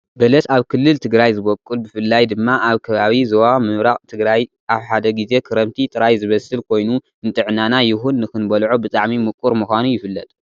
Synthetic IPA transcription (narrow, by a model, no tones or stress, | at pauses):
bɐlɐsaβkʰɨlːɨlt̪ʰɨɡɾajzɨβɐkʼːulbɨfɨlːajd̪ɨmːaʔaβkʰɐβaβizɐwamɨmɾaχʼt̪ʰɨɡɾaj | aβħad̪ɐɡize̞kʰɨɾɐmt̪ʰit̪ʼɨɾajzɨβɐsɨlkʰo̞jnu | ɨnt̪ʼɨʕnanajɪhunːɨxɨnbɐlʕobɨt͡sʼaʕmimɨkʼːuɾmuxʷanujɪfɨlːɐt̪ʼ